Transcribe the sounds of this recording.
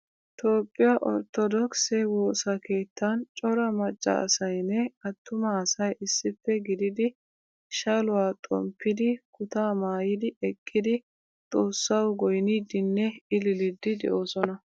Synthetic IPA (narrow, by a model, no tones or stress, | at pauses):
t̪o̞ːpʼːɪjaʔɔ̰ɾt̪ːɔd̪ɔksɛwoːsɐke̞ːt̪ːɐnt͡ʃʼɔɾɐmɐt͡ʃʼːɐ̰ɐ̰sɐjnːɛɐt̪ːʊmɐːsɐjʔɪsːɪfːɛɡɪd̪ɪd̪ɪ | ʃɐlʊwaːt̪ʼɔ̰mpʰːɪd̪ɪkʊt̪aːmaːjɪd̪ɪɛkʼːɪd̪ɪ | t̪ʼo̞ːsːɐwɡɔjniːd̪ːɪnːɛɪlɪlɪd̪ːɪd̪ɛ̰ʔo̞ːsɔnɐ